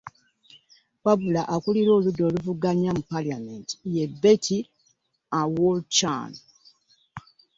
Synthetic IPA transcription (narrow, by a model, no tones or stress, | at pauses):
pabulaʔakuliɾo̞ːludːo̞ːluvuɡaɲamupaliamenti̥jebːe̞tʰi | awolt͡ʃa̰n